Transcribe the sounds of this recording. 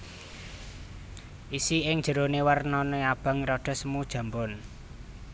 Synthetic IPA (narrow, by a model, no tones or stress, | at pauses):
ʔisiɪŋ̥d͡ʒ̥ə̤ɾonewərnɔneab̥a̤ŋɾɔɖ̥ɔ̤səmud̥ʒ̥ä̤mbɔn